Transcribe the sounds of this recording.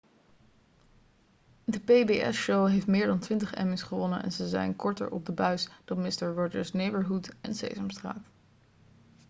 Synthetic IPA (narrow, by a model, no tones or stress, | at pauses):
dəpejbeɛ̰sʃowɦejftmɪːɹdɑntʋɪntəχɛ̰mɪsχəʋɔnə̰nɛ̰nzəzɛ̰jnkɔɹtə̰ɹʔɔ̰b̚dəbœɥsd̥ɑnmɪstəɹɹɔd͡ʒəɹsnejbəɹɦutɛ̰nsḛjzəmstra̰ːt